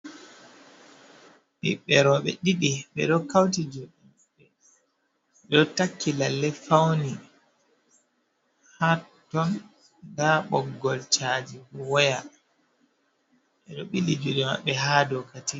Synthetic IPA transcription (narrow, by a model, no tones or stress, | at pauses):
ɓḭɓɛɾɔɓɛ̰ɗiɗiɓɛ̰ɗɔkawtid͡ʒɔɗi | ɓɛ | ɛɗɔtakːilalːɛfawni | hatːɔn | daɓɔɡːɔlt͡ʃad͡ʒifɔwɔja | ɓɛɗɔɓilid͡ʒuɗɛma̰ɓːɛɦaːdɔkati